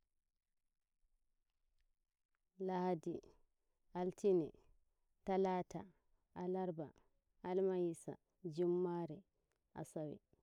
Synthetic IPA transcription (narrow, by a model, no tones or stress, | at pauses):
lahadi | altʰinɛ | talata | alaɾba | almajisa̰ | d͡ʒumːaɾɛ | ʔa̰sawɛ̰